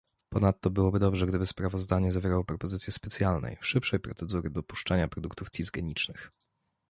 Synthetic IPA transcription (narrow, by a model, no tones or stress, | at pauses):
pɔnat̪ːɔbɘwɔbɘd̪ɔbʐɛɡd̪ɘbɘspɾavɔzd̪aɲɛzavʲjɛɾawɔpɾɔpɔzɘt̪sʲjɛspɛt̪sʲjalnɛ̰jʂɘpʂɛjpɾɔt̪sɛd̪uɾɘd̪ɔpu̥ʂt͡ʂaɲapɾɔd̪ukt̪ufsʲizɡɛɲit͡ʂnɘx